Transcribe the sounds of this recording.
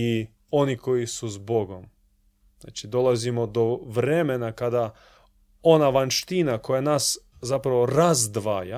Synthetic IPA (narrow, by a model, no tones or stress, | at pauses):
i | o̞niko̞jisuzbo̞ɡom | zna̰ːt͡ʃid̪o̞lˠazimo̞d̪oʋɾemenakad̪a | o̞naʋanʃt̪inako̞janaːs | zapɾaʋo̞ɾazd̪ʋa̰ːja